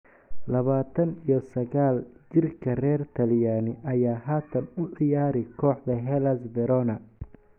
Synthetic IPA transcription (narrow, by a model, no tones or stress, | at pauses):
lɐβaːt̪ʰɐnijɞsɐɣaːlt͡ʃɪrkʰɐrɛːrt̪ʰɐljaːnɪʔɐjaːɦaːt̪ʰɐnʊʕɪjaːɾɛkʰɔːħd̪ɐɦɛlɐsbɛɾɔnɐ